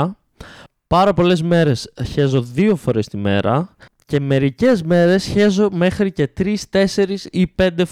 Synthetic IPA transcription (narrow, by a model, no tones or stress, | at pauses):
pɐɾɐpo̞le̞zme̞ɾe̞sçe̞zo̞ðio̞fo̞ɾe̞st̪ime̞̰ɾɐ | ce̞me̞ɾice̞zme̞ɾe̞sçe̞zo̞me̞xɾice̞t̪ɾist̪e̞se̞ɾisipe̞nd̪e